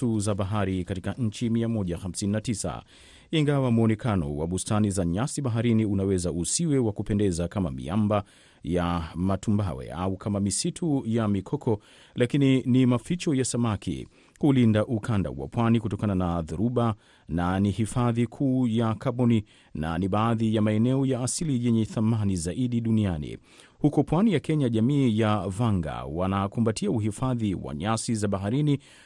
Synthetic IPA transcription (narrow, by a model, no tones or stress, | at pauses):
uzaɓaɦaɾikatikaɲ̩t͡ʃimiamɔʄaxam̩sininatisa̰ | iŋɡawamuɔnɛkanɔ̰wa̰ɓustanizaɲasiɓaɦaɾiniunawɛzausiwɛwakupɛndɛzakamamḭamba | jamatumbawɛ̰aukʰamamisitʰujamikʰɔkʰɔ | lakininimafit͡ʃɔjasamakḭ | kulindaʔukanda̰wa̰pwanikutɔkananaðuɾuɓa | nanihifaðikʰuːjakaɓɔni | na̰niɓaːðijamaɛnɛɔjaːsilijɛɲɛθamanizaʔiɗiɗunianḭ | hukɔpwanijakɛɲaʄamiːjavaŋɡa̰wanakumbatʰiauɦifaðiwa̰ɲasizaɓaɦaɾini